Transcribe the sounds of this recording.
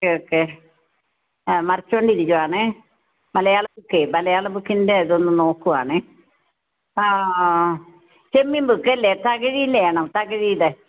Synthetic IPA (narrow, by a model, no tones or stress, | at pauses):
kːeokːe | mɐrɐt͡ɕːoːɳɖiɾikːuʋaːɳɨ | mɐlɐjaːɭɐbukːemɐlɐjaːɭɐbukːindeɐðo̞nːɨno̞ːkːuʋa̰ːɳɨ | a | t͡ɕemːimbukːeɐlːet̪ːaːkɐɻijilːejaːɳɐmt̪ːaːkːɐɻijile